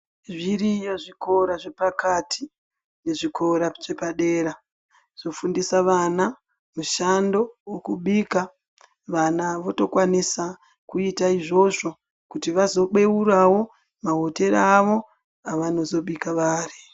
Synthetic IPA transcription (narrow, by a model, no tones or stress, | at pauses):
ʐiɾijo̞ʐiko̞ɾaʐe̞pakʰatʰi̥ | ne̞ʐikʰo̞ɾaʐe̞paɗe̞ːɾa | ʐ̥o̞fundisaʋana | muʃando̞wokuɓiːka | ʋanaʋo̞to̞kwanisa | kuitaiʐo̞ʐo̞ | kutiʋazo̞ɓe̞uɾawo̞ | maɦote̞ɾaʋo̞ | aʋano̞zo̞ɓikaʋaːri